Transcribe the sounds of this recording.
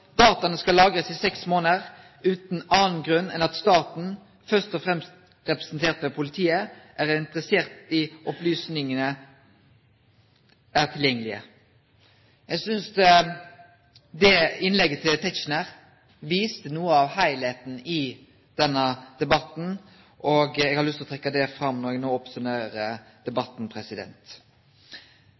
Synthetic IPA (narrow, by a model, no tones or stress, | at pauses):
d̪̥ɑːt̪ɑnəskɑlɑːɡɾəsɪsɛksmoːnəɾ | ʉːt̪n̩ɑːnɡɾʉnːɛ̰nɑt̪st̪ɑːt̪n̩ | fœst̪ɔfɾɛmst̪ | ɾɛpɾɛsnt̪ʰeːɾt̪ʋɛpʰʊlɪt̪ʰiːəʔæɾɪnt̪ɾəseːɾt̪ɪʔɔplyːsnɪŋənə | æʁt̪ʰɪljɛŋːəlɪə̰ | jɛɡsʏnsd̪ | d̪ɛɪnlɛɡːət̪ʰɪlt̪ʰɛt͡ʃnəɾ | ʋiːst̪ənuːəɑʋhæɪlheːt̪n̩ɪ | d̪̥ɛnːəd̪̥ɛbɑt̪n̩ | ʔoɡɛɡhɑɾlʉst̪lɔt̪ʰɾɛkːəd̪ɛfɾɑmnɔɾɛɡnoːɔpsʊnæːɾəd̪̥ɛbɑt̪ːn̩pʰɾɛsɪd̪ɛ̰nt̪